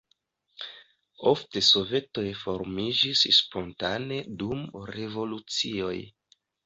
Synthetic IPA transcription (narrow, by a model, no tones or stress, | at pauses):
o̞fte̞so̞ve̞to̞jfo̞ɾmid͡ʒisspo̞ntane̞dumɾe̞vo̞lut͡sio̞j